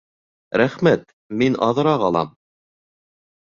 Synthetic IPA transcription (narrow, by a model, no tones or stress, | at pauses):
ɾæχmæt̪ | minɑ̰ðɤ̆ɾɑʁɑlˠɑ̰m